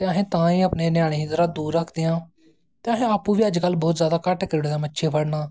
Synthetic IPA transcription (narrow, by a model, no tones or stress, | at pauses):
t̪eːəɦẽːt̪ãːiːəpneːnɪjaːɽ̃eːɦid̪ɾaːd̪uːɾːəkʰd̪eːjãː | t̪eːəɦẽːaːpːũːʋiːəd͡ʒkəlːbɔːt̪zjaːd̪aːkəʈkəɾɪɽeːd̪aːmətːʃʰeːpʰəɽnaː